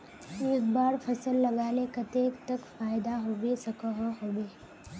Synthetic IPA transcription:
eːk̚baːɾfʰɐsəlːɐɡaːlekɐt̪eːkt̪ɐkfaːɪd̪aɦoːʋesɐkəɦoɦoːbeː

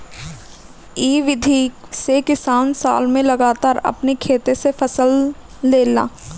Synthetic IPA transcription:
iːʋɪd̪ʱisekɪsaːnsa̰ːlmẽlɐɡaːt̪aːɾɐ̰pnikʰeːt̪esefʰɐsəlː | eːla̰ː

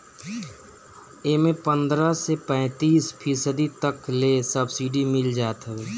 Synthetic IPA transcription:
emẽpə̃nd̪ɾəsepɛ̃ːt̪iːspʰiːsəd̪it̪əklesəbsiɖimɪld͡ʒaːt̪ɦɛweː

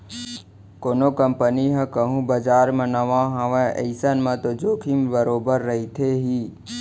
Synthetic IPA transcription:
koːnokəmpəniɦə̃kəɦũbəd͡ʒaːɾmə̃nəʋãɦɐʋẽə̰ɪsənmə̃t̪od͡ʒoːkʰimbəɾoːbəɾːəɦit̪ʰeɦiː

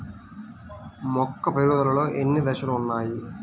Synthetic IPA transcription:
mɔkːɐpeɾud̪ɐlɐloːʔenːid̪ɐɕɐlɐmunːaːji

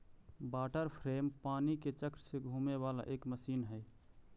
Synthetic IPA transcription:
baːʈəɾpʰɾeːmpaːniket͡ʃəkɾseɡʱũːmeʋala̰ʔeːkməsiːnɦɛ

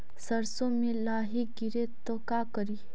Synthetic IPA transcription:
sɐɾsõmẽlaːɦiɡɪɾet̪okakəɾiː

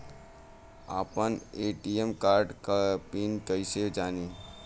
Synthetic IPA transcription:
a̰ːpəneʈiemkaːɾɖkpinkəised͡ʒaːni

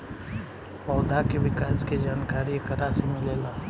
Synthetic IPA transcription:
pɔːd̪ʱakeʋɪkaːsked͡ʒaːnkaːɾiekəɾasimɪleːlaː

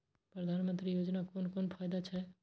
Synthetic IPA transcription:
pɾəd̪ʱanmənt̪ɾijod͡ʒnakonkonpʰajd̪at͡ʃʰɛ

